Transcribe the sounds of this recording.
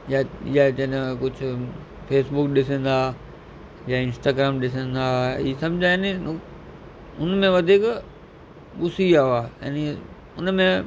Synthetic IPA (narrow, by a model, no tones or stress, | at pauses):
jaɪ̰jat͡ɕɐnkʊd͡ʑʱʊ | fʰeːsbʊkɗɪsə̃n̆d̪aː | jaːɪ̃nsʈaːɡɾaːmɗɪsə̃nd̪aːiːsɐ̃md͡ʑʱaeninʊ | ʊnmẽʋɐd̪ʱik | ɓʊsiaːaːa̰ni | ʊnmẽ